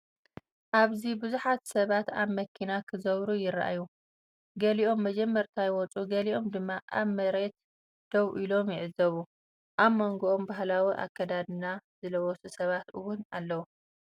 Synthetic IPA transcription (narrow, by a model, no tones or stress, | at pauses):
ʔaβzibɨzuħat̪sɐβat̪aβmɐkʰːinakʰɨzɐβɾujɪɾaʔa̰ju | ɡɐliʔo̞mːɐd͡ʒɛmːɐɾt̪ʰajwɔt͡sʼuɡɐliʔo̞md̪ɨmːaʔaβmɐɾe̞t̪̚ | d̪̥ɐβʔilo̞mjɪʕɨzːɐβu | ʔaβmoŋɡoʔombaɦlawiʔa̰kːɐd̪ad̪ɨnazɨlɐwɔsusɐβat̪ɨwʊnalːɐwu